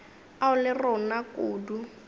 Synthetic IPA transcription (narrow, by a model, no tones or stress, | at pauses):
aʊlɪrɔnakʼuːdu